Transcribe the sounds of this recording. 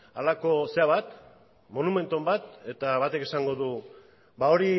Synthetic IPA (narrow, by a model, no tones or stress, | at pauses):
alako̞se̞aβat̪ | mo̞nume̞nt̪o̞mbat̪e̞t̪aβat̪e̞ke̞saŋɡo̞ðu | bao̞ɾi